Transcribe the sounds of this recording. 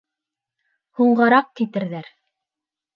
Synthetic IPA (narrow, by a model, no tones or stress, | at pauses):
huɴɢɑɾɑq̚kit̪ɘ̆ɾðæɾ